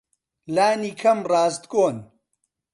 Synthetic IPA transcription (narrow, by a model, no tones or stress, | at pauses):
laːniːkʰɐmraːst̪̚koːn